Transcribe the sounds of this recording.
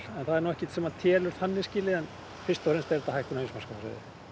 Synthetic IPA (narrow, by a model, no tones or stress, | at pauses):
ɛnθaðɛɾnuwɛhcɪt̪sɛmːat̪ʰjɛːlʏɾ̥θhanːɪsciːlɪɛn | fɪst̪awfɾɪnst̪ɛɾɛt̪ahajhkʏnainsmaskasḛðɪ̰